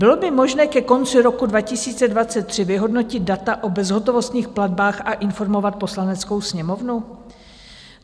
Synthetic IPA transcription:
bɪlo̞bɪmo̞ʒnɛːkɛko̞nt͡sɪɾo̞kudvacɪsiːt͡sɛdvat͡sɛt̪̚ːr̝̥ɪvɪɦo̞dno̞cɪt̪̚dat̪aʔo̞bɛzɦo̞t̪o̞vo̞st̪ɲiːxpladbaːxʔaʔɪnfo̞ɾmo̞vat̪̚po̞slanɛt͡sko̞wsɲɛmo̞vnu

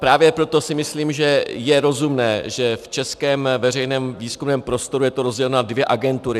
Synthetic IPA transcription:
pɾaːvjɛpɾo̞t̪o̞sɪmɪsliːmʒɛjɛɾo̞zumnɛːʒɛft͡ʃɛskɛːmvɛr̝ɛjnɛːmviːskumnɛːmpɾo̞st̪o̞ɾujɛt̪oɾo̞zɟɛlɛnadvjɛʔaɡɛnt̪uɾɪ

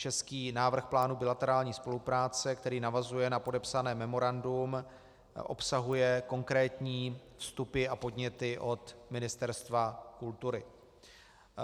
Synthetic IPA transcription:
t͡ʃɛskiːnaːvr̩xplaːnubɪlat̪ɛɾaːlɲiːspo̞lupɾaːt͡sɛkt̪ɛɾiːnavazujɛnapo̞dɛpsanɛːmɛmo̞ɾandum | ʔo̞̰psaɦujɛko̞ŋkɾɛːt̪ɲiːfst̪upɪapo̞dɲɛt̪ɪʔo̞t̪mɪnɪst̪ɛɾst̪vakult̪uɾɪ

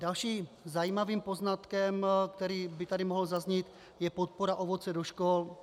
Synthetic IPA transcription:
dalʃiːzajiːmaviːmpo̞znat̪kɛmk̚t̪ɛɾiːbɪt̪adɪmoɦl̩zazɲiːt̪ | jɛpot̪̚poɾaʔovo̞t͡sɛdoʃkol

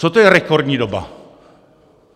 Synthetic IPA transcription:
ot̪ojrekoɾɲiɾoba̰

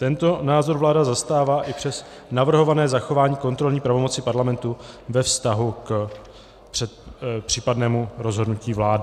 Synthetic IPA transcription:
t̪ɛnt̪o̞naːzo̞ɾvlaːdazast̪aːvaːʔɪpr̝̥ɛs | navr̩ɦo̞vanɛːzaxo̞vaːɲiːko̞nt̪ɾo̞lɲiːpɾavo̞mo̞t͡sɪpaɾlamɛnt̪uvɛfst̪aɦuk | pr̥ɛt̪pr̝̥iːpadnɛːmuɾo̞zɦo̞dnuciːvlaːdɪ

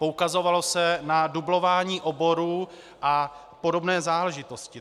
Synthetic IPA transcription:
poukazo̞valo̞sɛnadublo̞vaːɲiːʔobo̞ɾuː | ʔa | po̞do̞bnɛːzaːlɛʒɪt̪o̞scɪ

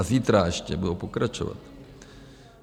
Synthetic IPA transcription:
ziːt̪ɾaɛʃcɛbudowpokɾat͡ʃo̰va̰t̪

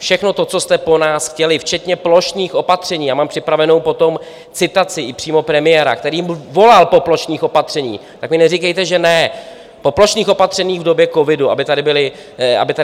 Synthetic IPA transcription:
fʃɛxno̞t̪o̞t͡so̞st̪ɛpo̞naːsxcɛlɪft͡ʃɛt̪ɲɛplo̞ʃniːxʔo̞pat̪r̝̥ɛɲiːjaːmaːmpr̝̥ɪpɾavɛno̞wpo̞t̪o̞m | t͡sɪt̪at͡sɪʔɪpr̝̥iːmo̞pɾɛmɪjɛːɾa̰k̚t̪ɛɾiːmvo̞lalpo̞ploʃniːxʔopat̪r̝̥ɛɲḭː | t̪akmɪnɛrikɛjt̪ɛʒɛnɛ | po̞plo̞ʃniːxʔo̞pat̪r̥ɛɲiːɣvdo̞bjɛko̞vɪdua̰bɪt̪adɪbɪlɪ | ʔa̰bɪt̪a

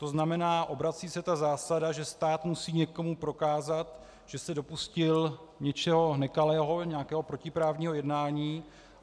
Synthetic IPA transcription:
t̪o̞znamɛnaːʔo̞bɾat͡siːsɛt̪azaːsadaʒɛst̪aːt̪musiːɲɛko̞mupɾo̞kaːzat̪ | ʒ̥ɛsɛdo̞puscɪlɲɛt͡ʃɛɦo̞nɛkalɛːɦo̞ɲɛakɛːɦo̞pɾo̞cɪpɾaːvɲiːɦo̞jɛdnaːɲiː

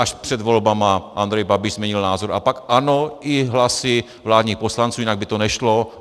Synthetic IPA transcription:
ʔaʃpr̥ɛd̪ʋolbamaʔand̪ɾɛjbabiʒzmɛɲilnaːzɔɾapakanoiɦlasi | vlaːd̪ɲiːxposlant͡suːinaɡ̚bit̪onɛʃlo

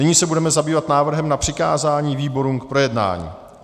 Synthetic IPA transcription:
nɪɲiːsɛbudɛmɛzabiːvat̪naːvr̩ɦɛmnapr̥ɪkaːzaːɲiːviːbo̞ɾumk̚pɾo̞jɛdna̰ːɲḭː

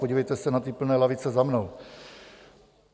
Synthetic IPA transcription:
oɟiːvɛjt̪ɛsɛnat̪ɪpl̩nɛːlavɪt͡sɛzamnow

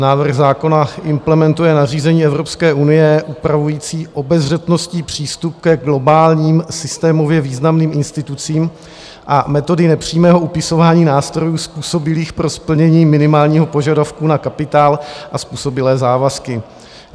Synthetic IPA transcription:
naːvr̩ɣzaːko̞naʔɪmplɛmɛnt̪ujɛnariːzɛɲiːɛvɾo̞pskɛːʔunɪjɛʔupɾavujiːt͡siːʔo̞bɛzrɛt̪no̞sciːpr̝̥iːst̪up̚kɛɡlo̞baːlɲiːmsɪst̪ɛːmo̞vjɛviːznamniːmʔɪnst̪ɪt̪ut͡siːm | ʔamɛt̪o̞dɪnɛpr̝̥iːmɛːɦo̞ʔupɪso̞vaːɲiːnaːst̪ɾo̞juːspuːso̞bɪliːxpɾo̞spl̩ɲɛɲiːmɪnɪmaːlɲiːɦo̞po̞ʒadafkunakapɪt̪aːlʔaspuːso̞bɪlɛːzaːvaskɪ

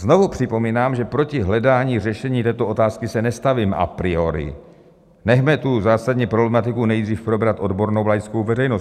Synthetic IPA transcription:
zno̞vupr̝̥ɪpo̞miːnaːmʒɛpɾo̞cɪɦlɛdaːɲiːrɛʃɛɲiːt̪ɛːt̪oʔo̞t̪aːskɪsɛnɛst̪aviːmʔa̰pɾɪo̞ɾɪ̰ | nɛɦmɛt̪uzaːsadɲɛpɾoblɛmat̪ɪkunɛjd̪riːfpɾo̞bɾat̪ʔo̞dbo̞ɾnowlajskowvɛrɛjnos

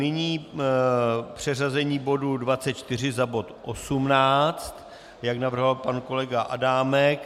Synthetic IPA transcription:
nɪɲiː | pr̝̥ɛrazɛɲiːbo̞dudvatt͡sɛt̪̚t͡ʃt̪ɪr̝ɪzabo̞t̪ʔo̞sumnaːt͡st̪ | jaknavr̩ɦvalpanko̞lɛɡaʔa̰daːmɛk

